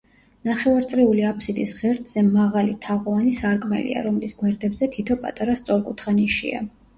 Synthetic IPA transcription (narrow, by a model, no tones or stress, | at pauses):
naχɛvaɾt̪sʼɾɛuliapʰsid̪ʼisʁɛɾt̪ʰz̥ɛmaʁalit̪ʰaʁɔvanisaɾkʼmɛ̰lḭa̰ɾɔmlisɡwɛɾd̪ɛbzɛt̪ʰit̪ʰɔpʼa̰t̪ʼaɾast̪sʼɔɾkʼut̪ʰχaniʃḭa̰